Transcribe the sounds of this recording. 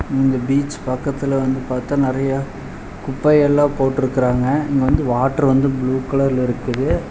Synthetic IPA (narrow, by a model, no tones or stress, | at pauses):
ɪnd̪ɐbiːt͡ʃpɐkːɐt̪ːɪlɐʋɐnd̪ɯpaːɾt̪ːaːnɪɾɐjɐ | kʊpːɐɪɛlːãːpoːʈːɪɾɯkːɪɾaːŋɡɐɪŋɡɐʋɐnd̪ɯʋaːʈːɐɾʋɐnd̪ɯbɭuːkɐlɐɾlɪɾɯkːɯðɯ